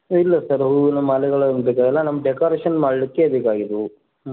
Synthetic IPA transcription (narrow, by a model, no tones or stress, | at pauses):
ilːɐsɐɾɦunɐmːaːlɛɡɐɭɐbeːkaːɡɛlːɐnɐmːɐɖekaːɾeːʂɐnmaːɽilikːebeːkaːɡid̪u